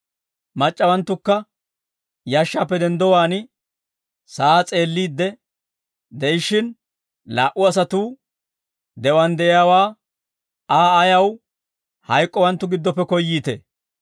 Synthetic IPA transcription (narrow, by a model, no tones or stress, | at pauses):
mɐt͡ʃʼːɐwɐnt̪ːʊkːɐ | jaːʃːaːpːɛd̪ɛnd̪ɔwaːnɪ | sat͡sʼe̞ːlːiːd̪ːɛ | d̪ɛjɪʃɪn | laːʔʊɐs̬ɐt̪uː | d̪ɛwɐnd̪ɛʔɪjaːwaː | aːjɐw | hɐjkʼːɔwɐnt̪ːʊɡɪd̪ːɔpːɛkɔjːiːt̪ɛ̰